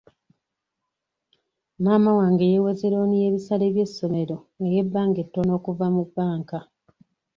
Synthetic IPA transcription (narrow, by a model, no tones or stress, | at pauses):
naːmawaːŋɡejewezeɾo̞ːnije̞ːβisale̞ːβje̞sːo̞me̞ɾo̞ | eje̞bːaːŋɡe̞tːono̞ːkuvamubːaːŋka